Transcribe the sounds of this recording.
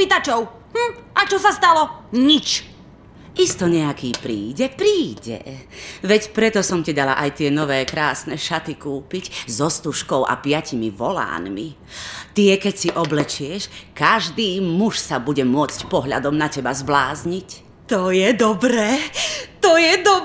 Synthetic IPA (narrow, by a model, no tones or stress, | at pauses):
it̪at͡ʃɔʊ | mm̩ʔat͡ʃɔsast̪alɔɲit͡ʃ | ist̪ɔɲɛakiːpɾiːɟɛpɾiːɟɛ̰ʋɛcpɾɛt̪ɔsɔmcid̪ala̰ʔajt̪ɪɛnɔʋɛːkɾaːsnɛʃat̪ikuːpiczɔst̪uʃkɔʊʔa̰pɪacimiʋɔla̰ːnmḭ | t̪iɛkɛcsiʔɔblɛt͡ʃɪɛʃkaʒd̪iːmuʃsabuɟɛmʊɔt͡scpɔɦʎa̰d̪ɔmnacɛbazblaːzɲic | t̪ɔjɛd̪ɔbɾɛːt̪ɔjɛd̪ɔ